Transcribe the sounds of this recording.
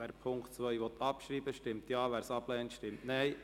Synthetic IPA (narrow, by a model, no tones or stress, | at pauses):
æːɾpʰʊŋktt͡sʋœʏʋɔt̪ʰːɑpʃɾiːbəʃtɪmt̪jɑːʋæːɾsɑb̥lɛːnt̪ʃtɪmtnɛɪj